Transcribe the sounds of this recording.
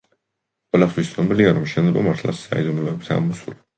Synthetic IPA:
qʼwɛlat̪t̪ʰwist̪sʰʼnɔbiliaɾɔmʃɛnd̪zɛbɔ̰maɾt̪ʰla̰sa̰id̪ɔnulɔbit̪ʰa̰mɔsuli

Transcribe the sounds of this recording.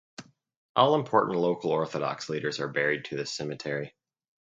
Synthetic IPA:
ʔɔlˠə̃mpʰɔɹʔn̩ʔˡloʊkl̩ˠɔɹθəɾɑ̰ksliɾə˞zə˞bɛɹid̚tʰɨðɨsɛmɨtʰɛɹi

